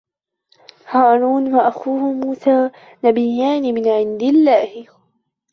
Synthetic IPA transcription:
haːɾˤuːnwaʔaxuːhʊmuːsaː | nabɪjːaːnɪmɪnʕɪnd̪ɪlːaːhɪ

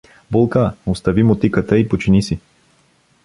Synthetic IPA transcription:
bolˠkaost̪ɐvimot̪ikət̪əipot͡ʃinisi

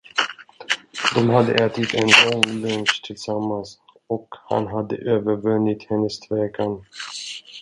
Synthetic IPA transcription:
d̪ɔmɦad̪ːə̰ʔɛːt̪ɪt̪ʰɛnlɔŋlɵŋɕt̪ʰɪlsamːans | ɔkha̰nɦad̪ːə̰ʔøːvəɾvɵnːɪt̪hɛnːəst̪ʰvɛːɡan

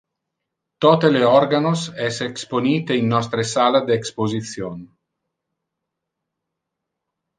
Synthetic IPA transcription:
t̪ɔt̪eleɔrɡanosɛseksponiːt̪einːɔst̪ɾesaːlad̪eːkspozit̪sjon

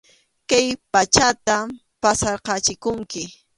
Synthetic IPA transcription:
kajpat͡ʃat̪a | pasɑɾqɑt͡ʃɪkʊŋkɪ

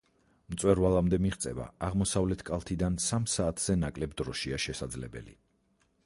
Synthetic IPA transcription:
mt̪sʼwɛɾvalˠamd̪ɛmiʁt̪sʼɛva̰aʁmɔsavlɛt̪ʰkʼalˠt̪ʰid̪ansamsaːt̪ʰz̥ɛnakʼlɛbd̪ɾɔʃiaʃɛsad̪zlɛbɛ̰lḭ

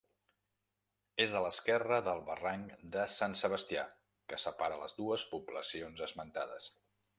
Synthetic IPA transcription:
ezələskɛrəðəlˠβəraŋd̪əsansəβəst̪ia̰ | kəsəpaɾələzðuəspubləsionzəzmənt̪aðəs

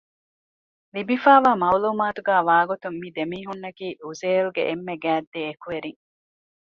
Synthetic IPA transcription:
libifaːʋaːmɐwluːmaːt̪uɡæːʋaːɡut̪ummid̪emiːɦunːɐkiːuzeːlɡḛʔemːeɡæːd̪ːeːkuʋeɾiŋ

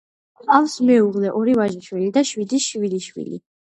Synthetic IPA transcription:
alsmɛuʁlɛʔɔɾivaʒiʃwilid̪aʃwid̪iʃwiliʃwḭlḭ

